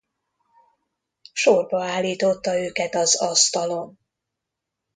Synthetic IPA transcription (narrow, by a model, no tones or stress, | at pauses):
ʃorbɒaːlːiːt̪o̞t̪ːɒøːkɛt̪ɒzɒst̪ɒlo̞n